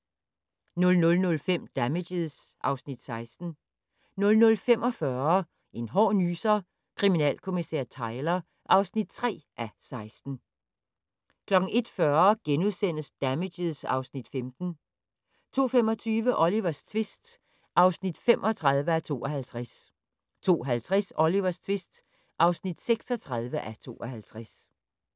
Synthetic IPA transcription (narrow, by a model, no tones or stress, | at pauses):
nɔlnɔ̽lnɔ̽lfem̰d̥æme̥eðˠsʔɑ̈ʊsnid̥sɑ̈ɪsd̥n̩ | nɔ̽lnɔ̽lfem̰ɒ̽fɶɐ | e̝nɦɒ̰ːnyːsɐ | kʰʁiminɛ̰ːlkʰo̝misɛ̰ɐ̰t͡sʰɑ̈ɪlɐ | ʔɑ̈ʊsnid̥̚t͡sʰʁɛ̰ːʔæsɑ̈ɪsd̥n̩ | kʰlɒ̽ɡ̥n̩e̝d̥fɶɐɡ̥enuðˠsen̰əsd̥æme̥əð̩ˠsɑ̈ʊsnid̥femd̥n̩ | t͡sʰo̝̰ːfemɒ̽t͡sʰyːʋəʔɒ̽liʋɐst͡sʰʋesd̥ | ʔɑ̈ʊsnid̥femʔɒ̽t͡sʰʁɑ̈ðˠʋəæt͡sʰo̝̰ːɒhælt͡sʰʁas | t͡sʰo̝̰ːɦælt͡sʰʁɛsɒ̽liʋɐst͡sʰʋesd̥ | ʔɑ̈ʊsnid̥seɡ̥sɒ̽t͡sʰʁɑ̈ð̞ˠʋəʔæt͡sʰo̝̰ːɒɦælt͡sʰʁas